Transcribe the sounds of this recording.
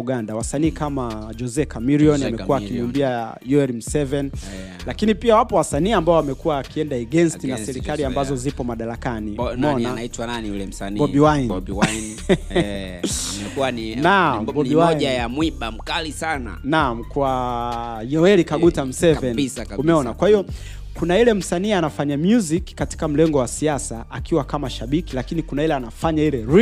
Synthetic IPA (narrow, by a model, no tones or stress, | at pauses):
uɡandawasaniːkamad͡ʒɔzɛkamiɾiɔnamɛuwakimumbiajɔɛlim̩sɛvɛn | lakinipiawapɔwasaniːambaɔamɛkuwaːkiɛndaɛɡɛnstinasɛɾikaliambazɔzipɔmaɗaɾakanimɔnanitwananiulɛm̩sanbɔɓiwanwn | mɛkuannambɔiwaɔʄajamwiɓam̩kalisana̰namkwa | jɔɛlikaɡutam̩sɛvɛnsumɛɔnakwahijɔ | kunailɛm̩saniːanafaɲamjuzikkːati̥kam̩lɛŋɡɔwasiasaʔakʰiwakamaʃaɓikilakinikunailɛanafaɲailɛɾi